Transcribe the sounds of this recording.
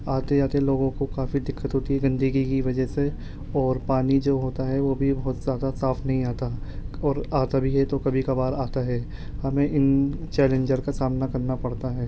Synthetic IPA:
aːt̪ed͡ʒaːt̪eɛloːɡõkokaːfid̪ɪkːət̪ɦoːt̪iɦɛɡɐ̃nd̪əɡikiʋɐd͡ʒəɦse | ɔːɾpaːnid͡ʒoːɦoːt̪aɦɛʋoːbʱibɔɦɔt̪zaːd̪asaːfʰnɐɦĩaːt̪aɔːɾaːt̪abʱiɦɛt̪okɐbʱikabaːɾaːt̪aɦɛː | hɐmẽʔɪnt͡ʃɛːlẽɲd͡ʒəɾkasaːmnakɐɾnapɐɽt̪aɦɛː

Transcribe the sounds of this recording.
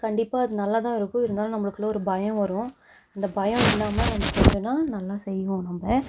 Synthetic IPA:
kɐɳɖɪpːaːɐðɯnɐlːaːt̪ãːɪɾɯkːʊ̃ɪɾɯnd̪aːlɐ̃nɐmːɐɭɯkːɯlɐɔɾɯbɐjɐ̃ʋɐɾʊ̃ | ɐnd̪ɐbɐjɐ̃ɪlːaːmɐnɐmːɐkɔɲd͡ʒɯnːaːnɐlːaːsɛjːɯʋõnɐmɐ

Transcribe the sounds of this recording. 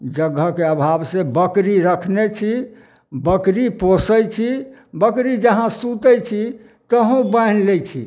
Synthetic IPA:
d͡ʒəɡːəkeəbʱabsebəkɾiɾəkʰnet͡ʃʰi | bəkɾiposəjt͡ʃʰibəkɾid͡ʒəɦãsut̪əjt͡ʃʰi | t̪əɦũbanlet͡ʃʰḭ

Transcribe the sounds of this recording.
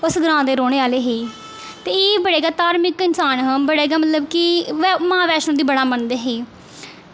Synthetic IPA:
ʊsɡɾãːd̪eːɾoːɽ̃eːaːleːɦeː | t̪eːeːbəɽeːɡaːt̪aːɾmɪkɪnsaːnɦəmbəɽeːɡaːmət̪ləbkɪmãːʋɛːʃnõːd̪iːbəɽaːmənd̪eːɦeː

